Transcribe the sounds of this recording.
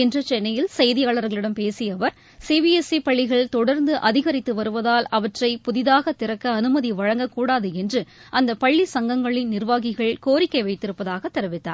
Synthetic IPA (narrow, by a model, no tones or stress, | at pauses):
ɛndrɯt͡ʃɛnːɐjɪlsɐjðɪjaːɭɐɾɣɐɭɪɽɐmpeːsɪjɐʋɐɾ | siːʋiːɛsipɐɭːɪɣɐɭt̪ɔɽɐɾnd̪ɯʔɐðɪɣɐɾɪt̪ːɯʋɐɾɯʋɐðaːlɐʋɐʈrɐɪpʊðɪðaːɣɐt̪ːɪɾɐkːɐːnɯmɐðiʋɐɻɐŋɡɐkuːɽaːðɯɛndrɯʔɐnd̪ɐpɐɭːisɐŋɡɐŋɡɐɭɪnnɪɾʋaːɣɪɣɐɭkoːɾɪkːɐɪʋɐɪt̪ːɪɾɯpːɐðaːɣɐt̪ːɛɾɯʋɪt̪ːa̰ːɾ